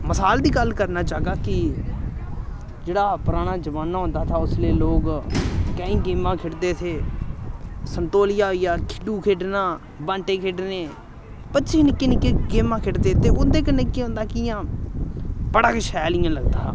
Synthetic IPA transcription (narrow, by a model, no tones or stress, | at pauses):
məsaːld̪iːɡəlkəɾnaːt͡ʃaːɡaːkɪ | d͡ʒeːɽaːpʊɾaːɽ̃aːd͡ʒəʋaːnːaːɦʊ̃nd̪aːt̪ʰaːʊsleːloːɡkəĩːɡeːmãːkʰɪʈd̪eːt̪ʰeː | sənt̪oːlɪjaːijaːkʰɪɖuːkʰeːɖnãː | bãːɳʈeːkʰeɖneː | pətːʃʰeːnɪkːeːnɪkːeːɡeːmãːkʰɪʈd̪eːt̪eːʔʊd̪eːkənɪkːeːɦʊ̃ːnd̪aːkɪjãː | bəɽaːkɪʃɛːlɪjãːləɡd̪a̰ː